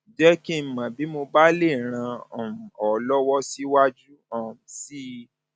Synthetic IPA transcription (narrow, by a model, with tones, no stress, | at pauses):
d͡ʒɛ˦ki˦˨˦mã˨bi˨˦mo˧ba˦le˦˨ɾ̃ã˧ɔ̃˨ũ˨ɔ˨lɔ˦wɔ˦si˦wa˦d͡ʒu˦ɔ̃˨si˦